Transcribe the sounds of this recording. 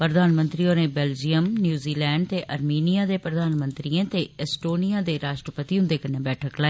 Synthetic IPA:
pɾəd̪aːnmə̃nt̪ɾiːoːnẽːbɛːld͡ʒijəmnjuːziːlɛːɳɖ̚t̪eːʔəɾmiːnijaːd̪eːpɾəd̪aːnmə̃nt̪ɾiẽːt̪eːɛsʈoːnijaːd̪eːɾaːʃʈɾəpət̪iːɦʊ̃nd̪eːkənːẽːbɛːʈʰəklaːiː

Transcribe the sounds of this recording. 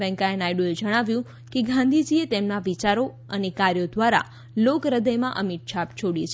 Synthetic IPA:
ɛ̃ŋkaenajɖued͡ʒəɽ̃aʋjũ | keɡʱãnd̪ʱid͡ʒiet̪emnaʋit͡ʃaɾo | ənekaɾjod̪ʋaɾa̰ | lokɾəd̪əjmãʔəmiʈ̪̚ʃʰapt͡ʃʰoɽit͡ʃʰe

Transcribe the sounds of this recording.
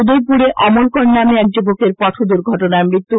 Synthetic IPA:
ud̪oɾpuɾeʔɔmolkoɾnameɛk̚d͡ʑobokeɾpɔʈ̪ʰod̪uɾɡʱɔʈonaemɾit̪ːu

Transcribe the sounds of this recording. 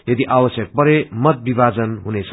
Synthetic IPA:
jʌd̪iʔawʌsjʌk̚pʌɾemʌt̪̚bibad͡zʌnɦunet͡sʰʌ

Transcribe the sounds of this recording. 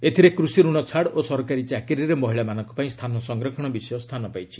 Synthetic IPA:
et̪ʰiɾekɾusiɾuɽ̃ɔt͡ʃʰaɽosɔɾkaɾit͡ʃakiɾiɾemɔɦiɭamanɔŋkɔ̥paĩst̪ʰanɔsɔŋɡɾɔkʰɔɽ̃ɔbisjɔst̪ʰanɔpajt͡ʃʰi̥

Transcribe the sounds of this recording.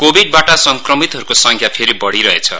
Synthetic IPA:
kobiɖ̚baʈasʌŋkrʌmit̪ɦʌɾukosʌŋkʰjapʰeɾibʌɽiɾʌet͡sʰʌ̰

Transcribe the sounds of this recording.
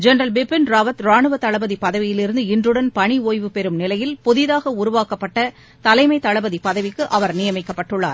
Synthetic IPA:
d͡ʒɛnɐɾɐlbɪpːɪnɾaːʋɐt̪ɾaːɳɯʋɐt̪ːɐɭɐbɐðipːɐðɐʋɪjɪlɪɾɯnd̪ɯɪndrɯɽɐnpɐɳioːjʋɯpɛɾɯmnɪlɐjɪlpʊðɪðaːɣɐʊɾʊʋaːkɐpːɐʈːɐ | t̪ɐlɐɪmɐɪt̪ɐɭɐbɐðipːɐðɐʋɪkːɯʔɐʋɐɾnɪjɐmɐɪkːɐpːɐʈːɯɭːa̰ːɾ

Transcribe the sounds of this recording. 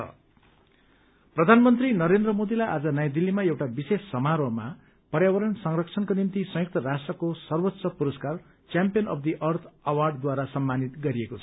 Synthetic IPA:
ʌ̰ | prʌd̪ʱanmʌnt̪rinʌɾend̪rʌmod̪ilajʔad͡zʌnʌjãd̪ilːimaewʈabisesːʌmaɾoma̰ | pʌɾjawʌɾʌnsʌŋrʌkt͡sʰʌnkonimt̪isʌ̃juk̚t̪ʌrasʈrʌkosʌrwot̪sʌpuɾʌskar | t͡sjampijʌnʌ̰pʰd̪iʔʌrt̪ʰʌwarɖd̪waɾasʌmːanit̪ɡʌɾiekot͡sʰʌ̥

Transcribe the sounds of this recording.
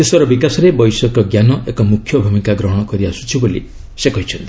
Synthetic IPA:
seswɔɾɔbikasɔɾebɔjsɔkɔɡjanɔʔekɔmukʰjɔbʱumikaɡɾɔɦɔɽ̃ɔkɔɾiasu̥t͡ʃʰibolḭ | sekɔɦit͡ʃʰɔnt̪ii̥

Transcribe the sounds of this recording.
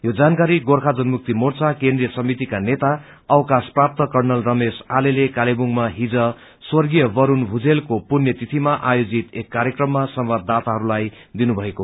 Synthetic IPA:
jod͡zankaɾiɡorkʰad͡zʌnmuk̚t̪imort͡sakend̪rijʌsʌmit̪ikanet̪a | ʌwkasprap̚t̪ʌkʌrnʌlrʌmesalelekalebuŋmaɦid͡zʌ | swʌrɡijʌbʌɾunbʱud͡zelkopunjʌt̪it̪ʰimaʔajod͡zit̪ekːaɾjʌkrʌmːasʌmbad̪ʱat̪aɦʌɾulaj | d̪inubʱʌeko

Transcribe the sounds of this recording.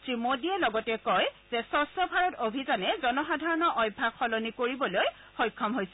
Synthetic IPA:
tɹimodiɛlɔɡɔtɛkɔjz̥ɛsɔstɔbʱaɹɔtobʱizanɛzɔnɔxadʱaɹɔnɔʔɔjbʱːakʰɔlɔnikoɹibɔloj | xɔjkʰːɔmɦojsɛ

